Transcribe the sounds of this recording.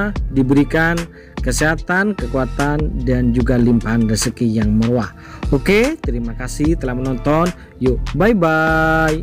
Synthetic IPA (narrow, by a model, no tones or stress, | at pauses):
dibəɾikan | kəseɦat̪ankəkuat̪andand͡ʒuɡalimpaɦanrəsəkijaŋməɾuah | oket̪əɾimakasiht̪əlahmənɔnt̪ɔn | jobajbaj